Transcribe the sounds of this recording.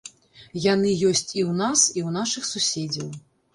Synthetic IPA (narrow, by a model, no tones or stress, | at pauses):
janɨjɔsʲt͡sʲiwnasiwnaʂɨxsusʲed͡zʲɐw